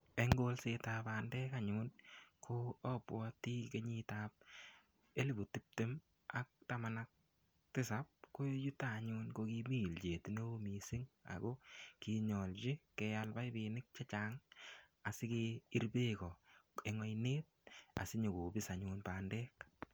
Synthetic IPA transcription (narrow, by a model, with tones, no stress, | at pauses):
e˦ŋɡo˦lse˨ta˨paː˨ndɛː˦kaɲʊnkʰo˦ɔ˦pwɔti˦ke˦ɲitap̚ | e˦li˨bo˨ti˦p̚te˦m | a˨k̚tama˨nak̚ | tɪ˦sa˨p̚ko˦ju˦ta˦˨ɲʊnko˧ki˦mi˦˨ld͡ʒe˨ti˨no˦o˦mi˨sɪ˦ŋa̰˨ɡo˦ki˧ɲɔ˨lt͡ʃi˦kɛ˧ja˧lba˦jbɪ˨nɪ˦k̚t͡ʃa˦t͡ʃa˨ŋ | a˨sɪ˦ke˦i˦ɾbeː˦kɔ˨e˨ŋɔ˦jneː˦t̚a̰˨sɪ˦ɲo˨ɡo˨bɪ˦sa˨ɲʊnpa˨ndɛː˦k